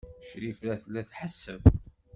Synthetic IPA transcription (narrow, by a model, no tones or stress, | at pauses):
ʃɾifɾæθlːæθħəsːəv